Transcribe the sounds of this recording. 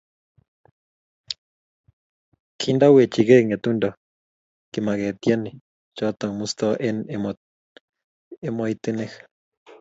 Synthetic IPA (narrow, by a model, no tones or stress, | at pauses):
kʰind̪awet͡ʃiɣeŋet̪unda | kemaɣet̪jani | t͡ʃat̪aŋmust̪aʔenemo | emojt̪enex